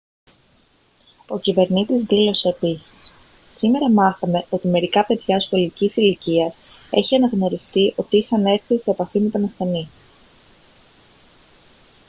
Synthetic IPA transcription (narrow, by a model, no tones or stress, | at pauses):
o̞cive̞ɾnit̪izðilo̞se̞ːpisi̥s | sime̞ɾɐmɐθɐme̞ʔo̞t̪ime̞ɾikɐpe̞ðʝɐsko̞licisiliciɐs | e̞̰çiɐnɐɣno̞ɾist̪iʔo̞t̪iixɐne̞ɾθise̞ːpɐfimet̪onɐsθe̞ni